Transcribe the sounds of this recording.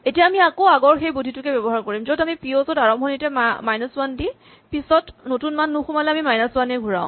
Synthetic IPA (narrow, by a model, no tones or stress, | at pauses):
etijaːmiakoaɡɔɹxejbudʱitʊkɛbɛbɔɦaɹkoɹimzodamipiozɔtaɹɔmxonitɛmmajnɔswandi | pisɔtnotunmanːuxumalɛamimajnaswanɛɡʱuɹa̰ʊ̃